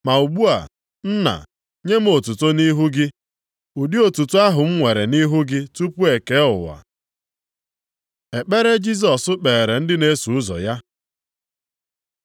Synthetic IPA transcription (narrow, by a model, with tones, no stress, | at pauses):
ma˨u˨ɡ͡bu˦a̰˨ | n̩˦na̰˨ | ɲe˦m̩˦o˨tu˨to˦ni˦ɦu˦ɡɪ˦ | u˨di˦o˨tu˨tu˦a˦ɦʊ˨m̩˦ŋʷe˨ɾe˨ni˦ɦu˦ɡɪ˦tu˦pu˦e˨ke˦ʊ̰˨wa̰˨ | e˨k͡pe˦ɾe˦d͡ʒi˦s̬ɔ˨sʊ˦k͡pe˨ɾe˨n̩˦dɪ˦ne˦su˨ʊ˦zɔ̰˨ja˦